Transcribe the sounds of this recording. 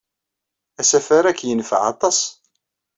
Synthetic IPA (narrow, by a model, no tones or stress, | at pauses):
æsæfaɾækːjənfə̰ʕɑ̰t̪ˤɑsˤ